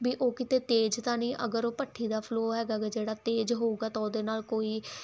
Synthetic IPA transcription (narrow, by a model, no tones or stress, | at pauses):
biːʔoːkɪt̪eːt̪eːd͡ʒt̪ãːnĩːʔəɡəɾoːpəʈʰːiːd̪aːpʰloːɦɛːɡaːked͡ʒeːɽaːt̪eːd͡ʒɦoːuːɡaːt̪ãːod̪eːnaːlkoːiː